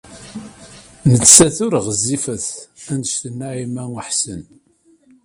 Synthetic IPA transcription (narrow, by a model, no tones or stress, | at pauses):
nət͡sːsæθʊɾʁəzːifəθænd̪st̪ənːaʕimæəħsən